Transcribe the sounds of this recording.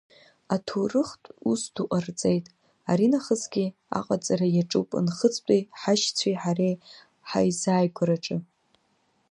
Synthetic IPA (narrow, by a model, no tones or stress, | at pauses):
atʰorɨχtʷʼusduqʼart͡sʼejtʼ | aɾinaχəzɡʲia̰qʼat͡sʼaɾajaʈ͡ʂʼupʼɨ̰nχət͡sʰʼtʼijħaʃt͡sʷʰiħarej | ħa̰jzaːjɡʷaɾaʈ͡ʂʼɨ